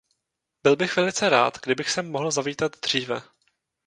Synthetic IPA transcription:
bɪlbɪxvɛlɪt͡sɛɾa̰ːt̪ɡdɪbɪxsɛmːo̞ɦl̩zaviːt̪ad̪d̪r̝̥iːvɛ

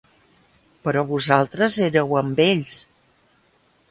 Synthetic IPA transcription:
pəɾɔβuzalˠt̪ɾəzeɾəwəmbeʎs

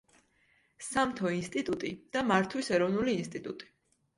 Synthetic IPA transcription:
samt̪ʰɔinst̪ʼit̪ʼut̪ʼid̪̥amaɾt̪ʰwisɛɾɔvnuliːnst̪ʼit̪ʼut̪ʼi̥

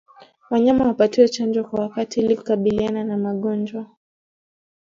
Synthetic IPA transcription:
waɲamawapatiwɛt͡ʃand͡ʒɔkwawakatialikukaɓiliananamaɠɔnd͡ʒwa

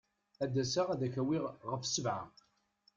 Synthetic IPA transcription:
æd̪ːæsaʁæðækæwiʁʁəfsəvʕa̰

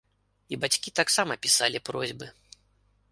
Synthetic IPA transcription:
ibat͡sʲkʲit̪aksamɐpʲisalʲipɾɔzʲbɨ

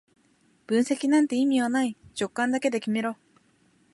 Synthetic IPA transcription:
bɯnse̞kʲinant̪e̞imʲianait͡ɕok͈ːand̪aked̪e̞kʲimʲiɾo

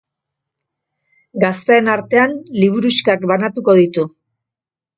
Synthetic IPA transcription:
ɡast̪e̞ːnaɾt̪e̞anliβ̞uɾuskakbanat̪uko̞ðit̪u

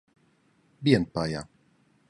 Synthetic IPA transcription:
bjɛnpaja̰

